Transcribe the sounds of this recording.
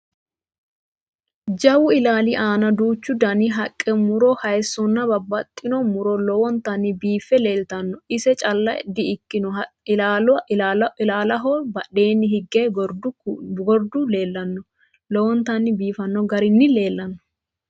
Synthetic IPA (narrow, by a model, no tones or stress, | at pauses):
d͡ʒɐwʊɪlaːlɪʔaːnɐd̪uːt͡ʃːʊd̪ɐnɪɦɐkʼːɛmʊɾɔhɐjsːɔnːɐbɐbːɐt̪ʼːɪnɔmʊɾɔlɔwɔnt̪ɐnːɪbiːfːɛle̞ːlt̪ɐnːɔɪsɛt͡ʃʼɐlːɐj̰d̪ːɪɪkːɪnɔ | aaːlɐɦɔbɐɗe̞ːnːɪɦɪɡːedɡɔɾd̪ʊle̞ːlːɐnːɔ | lɔwɔnt̪ɐnːɪbiːfɐnːɔɡɐɾɪnːɪle̞ːlːɐnːɔ̥